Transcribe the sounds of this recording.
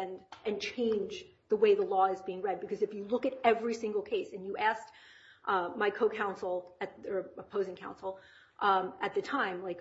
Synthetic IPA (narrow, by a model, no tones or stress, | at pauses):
ndʔɨ̃nt͡ʃʰẽɪ̃nd͡ʒ | ðəweɪðəlɔɨzbiɪ̃ŋɹɛd̚bɨkʰʌzɨfjɨlʊkɨɾɛvɹisɪ̃ŋɡl̩ˠkʰeɪsɨ̃njɨæsk | ʔmaɪkʰoʊkʰãʊ̃nsl̩ˠɨt̪̚ə˞əpʰoʊzɪ̃ŋkʰãʊ̃nsl̩ˠ | ʔɨt̪̚ðɨtʰãɪ̃mlaɪk